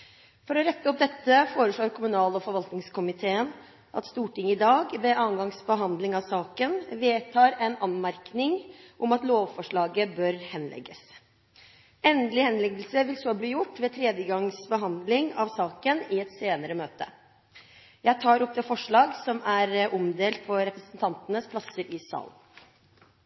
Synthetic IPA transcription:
fɔɾɔɾɛt̪ːəɔp̚d̪ɛt̪ːəfoːɾəʂɭoːɾkʰʊmʉnɑːlɔfɔɾʋɑlt̪nɪŋskʰʊmɪt̪ʰeːən | ʔɑ̰t̪st̪uːʈɪŋːɪd̪ɑːɡʋɛʔɑːnɡɑŋsbəɦɑnd̪lɪŋɑʋsɑːkənʋeːt̪ʰɑːɾɛnɑnmæɾknɪŋʔɔmɑt̪loːʋfɔʂɭɑːɡəbœɾhɛnlɛ̰ɡːəs | ɛnd̪əlɪhɛnlɛɡəlsəʋɪlsoːbliːjʊʈːʋɛːt̪ʰɾeːd̪jəɡɑŋsbəɦɑnd̪lɪŋɑʋsɑːkənɪɛt̪seːnəɾəmøːt̪ə̰ | jæɪt̪ʰɑːɾɔp̚d̪ɛːfɔʂɭɑːɡsɔmæɾʔɔmd̪eːlt̪̚pʰɔɾɛpɾəsnənt̪ʰɑnt̪ənəspʰlɑsəɾɪsɑ̰ːl

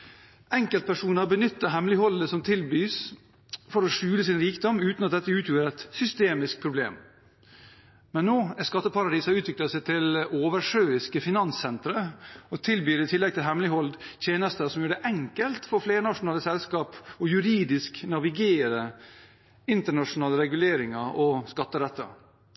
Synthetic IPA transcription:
ɛŋkəlt̪̚pæʂuːnəɾbənʏt̪ːəɦɛmlɪhɔld̪əsɔmt̪ʰɪlbyːs | fɔɾɔʂʉːləsɪnɾiːkd̪ɔmːʉːt̪nɑt̪̚d̪ɛt̪ːəʉːt̪ʰjuːəɾɛt̪sʏst̪eːmɪsk̚pʰɾʊblḛːm | mɛnːoːæskɑt̪ːəpʰɑɾɑd̪iːsɑɾʉːt̪ʰʋɪkləsɛɪt̪ʰɪloːʋəʂøːɪskəfɪnɑnsɛnt̪ɾəɔt̪ʰɪlbyːɾət̪ʰɪlːɛɡ̚t̪ɪlɦɛmlɪhɔld̪t̪ʰjeːnəst̪əsɔmjuːɖɛʔɛŋkəlt̪fɔɾfleːɾənɑʂʊnɑːləsɛlskɑːpɔjʉɾiːd̪ɪsknɑʋɪɡeːɾə | ɪnt̪əɳɑʂʊnɑːləɾɛɡʉleːɾɪŋɑʔɔskɑt̪ːəɾɛt̪ːə̰

